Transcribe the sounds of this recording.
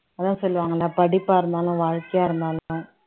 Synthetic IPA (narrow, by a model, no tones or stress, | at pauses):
ɐðãːsɔlːɯʋaːŋɡɐlːaːpɐɽɪpːaːɪɾɯnd̪aːlɐ̃ʋaːɻkɪjaːɪɾɯnd̪aːlã